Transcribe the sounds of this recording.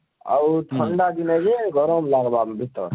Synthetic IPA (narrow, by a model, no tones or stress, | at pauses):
ə̰wt̪ʰəɳɖad̪inad͡ʒeɡʱɔɾɔmlaɡbambʱit̪ə̰